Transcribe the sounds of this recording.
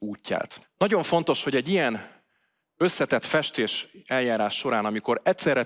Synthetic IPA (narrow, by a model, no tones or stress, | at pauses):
uːcːa̰ːt̪nɒɟo̞ɱfo̞nt̪o̞ʃho̞ɟɛɟːijɛn | ø̞sːɛt̪ɛt̪fɛʃt̪eːʃɛljaːɾaːʃːo̞ɾaːnɒmiko̞ɾɛt̪sɛrɾɛ